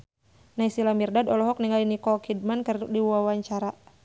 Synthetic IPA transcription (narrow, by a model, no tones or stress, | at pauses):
naisilamirdadɔlɔɦɔk̚niŋalinikɔkid̚mankərtʊk̚diwuawaɲt͡ʃaɾa